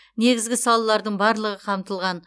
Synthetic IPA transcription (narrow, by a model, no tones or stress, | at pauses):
ne̞ɡʲɪzɡʲɪsɑlˠəlˠɑɾd̪əɴbɑɾlˠəʁəqʰɑmt̪əlˠʁɑn